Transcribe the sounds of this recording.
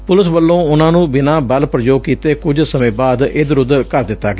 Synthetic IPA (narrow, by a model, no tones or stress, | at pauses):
pʊlɪsʋəlːõːʊnãːnũːbɪnãːbəlpɾəd͡ʒoːɡ̚kiːt̪eːkʊd͡ʒsəmẽːbaːd̪ɪːd̪əɾʊd̪əɾkəɾd̪ɪt̪ːaːɡeː